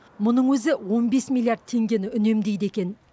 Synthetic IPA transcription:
mʊnəɴwɵzɪwo̞nbe̞smʲilˠjaɾd̪̚t̪ʰe̞ŋɡʲe̞nɪʏne̞md̪e̞jd̪e̞kʲe̞n

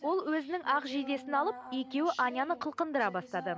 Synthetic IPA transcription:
wo̞lˠwɵzɪnɪŋʔɑqʒijd̪e̞sɪnɑlˠəp̚e̞kʲe̞wɪʔɑnʲjɑnəqʰəlˠqənd̪əɾɑbɑst̪ɑd̪ə

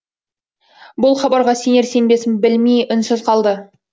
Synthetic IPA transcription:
bʊlˠχɑbɑɾʁɑse̞neɾse̞nbe̞sɪnbɪlmijʔʏnsɪzqʰɑlˠd̪ə

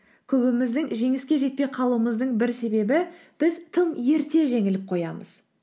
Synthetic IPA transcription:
kʲʰɵbɪmɪzd̪ɪŋʒe̞ŋɪskʲe̞ʒe̞t̪̚pe̞jqʰɑlˠuəməzd̪əɴbɪɾse̞be̞bɪb̥ɪzt̪ʰəmje̞ɾt̪e̞ʒe̞ŋɪlɪp̚qʰo̞jɑmə̰z̥

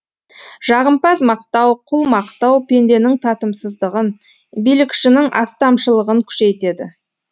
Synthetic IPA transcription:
ʒ̥ɑʁəmpɑzmɑqt̪ɑwqʰʊlˠmɑqt̪ɑwpʰe̞nd̪e̞nɪŋt̪ʰɑt̪əmsəzd̪əʁən | bijlɪkʃɪnɪŋʔɑ̰st̪ɑmʃəlˠəʁəŋkʲʰʏ̥ʃe̞jt̪e̞d̪ɪ̰

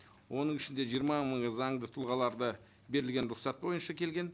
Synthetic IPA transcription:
wo̞nəɴɪʃɪnd̪e̞ʒijəɾmɑməɴzɑɴd̪ət̪ʰʊlˠʁɑlˠɑɾd̪ə | be̞ɾɪlɡʲe̞nɾʊqsɑt̪̚bo̞jənʃɑkʲʰe̞lɡʲe̞n

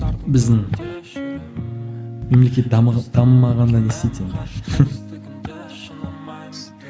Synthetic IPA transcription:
bɪzd̪ɪŋ | me̞mle̞kʲe̞t̪̚ɑd̪̥ɑmmɑʁɑnd̪ɑd̪est̪ejt̪e̞nd̪ɪ

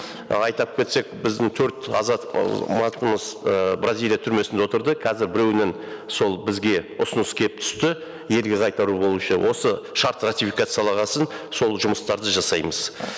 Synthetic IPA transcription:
ɑjt̪ɑp̚kʲʰe̞t̪se̞k̚bɪzd̪ɪŋt̪ʰɵɾt̪ɑ̰zɑt̪mɑt̪əməzəbrazʲilʲˠijat̪ʰʏɾme̞sɪnd̪eot̪əɾd̪əkʰɑzɪɾbɪɾe̞wɪnen | so̞lˠbɪzɡʲe̞ʊsʊnəskʲʰelɪp̚t̪ʰʏ̥st̪ɪ | je̞lɡʲe̞qʰɑjt̪ɑɾubo̞lˠuʃəwʔo̞səʃɑɾt̪rat̪ifikat̪sɨjɑlˠɑʁɑsənso̞lˠʒʊməst̪ɑɾd̪əʒɑsɑjməz̥

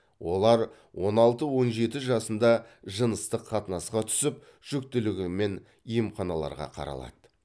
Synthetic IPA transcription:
wo̞lˠɑɾ | wo̞nɑlˠt̪əwo̞nʒe̞t̪ɪʒɑsənd̪ɑʒənəst̪əqʰːɑt̪nɑsqɑt̪ʰʏ̥sɪp̚ | ʒ̥ɵk̚t̪ɪlɪɡʲɪme̞n | ijəmχɑnɑlˠɑ̰ɾʁɑ̰qʰɑ̰ɾɑ̰lˠɑ̰d̪̥ə

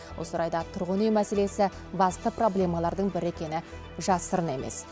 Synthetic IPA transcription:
wo̞səɾɑjd̪ɑt̪ʰʊɾʁənejmæse̞le̞sɪ | bɑst̪əpro̞blʲe̞mɑlˠɑɾd̪əɴbɪɾe̞kʲe̞nɪ | ʒɑsəɾəne̞me̞̰s

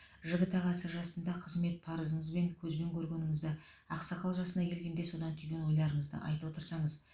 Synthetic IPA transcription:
ʒəɡʲət̪ɑʁɑsəʒɑsənd̪ɑqʰəzme̞t̪̚pʰɑɾəzəɴəzbe̞ŋkʲʰɵzbe̞ŋkʲʰɵɾɡʲe̞nɪŋɪzd̪ɪ | ɑqsɑqʰɑlˠʒɑsənɑkʲʰe̞lɡʲe̞nd̪e̞so̞d̪ɑnt̪ʰyjɡʲe̞nwo̞jlˠɑɾəɴəzd̪ə̰ʔɑ̰jt̪əwo̞t̪əɾsɑɴəz

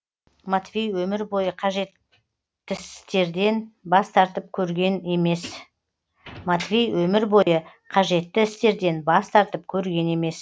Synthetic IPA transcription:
mat̪vijwɵmɪɾbo̞jəqʰɑʒe̞t̪ː | ɪsst̪e̞ɾd̪e̞nbɑst̪ʰɑɾt̪əp̚kʲʰɵɾɡʲe̞ne̞me̞s | mat̪vʲijwɵmɪɾbo̞jə | qʰɑʒe̞t̪ːɪɪst̪e̞ɾd̪e̞nbɑst̪ʰɑɾt̪əp̚kʲʰɵɾɡʲe̞ne̞me̞s

